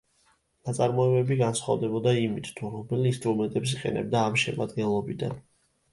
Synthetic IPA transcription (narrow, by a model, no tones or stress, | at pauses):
nat̪sʼaɾmɔɛbɛbiɡansχa̰vd̪ɛbɔd̪aimit̪ʰt̪ʰuɾɔbɛlinst̪ʼɾumɛnt̪ʼɛps̬iqʼɛ̰nɛ̰b̚d̪aːmʃɛma̰d̪ɡɛnlˠɔbid̪a̰n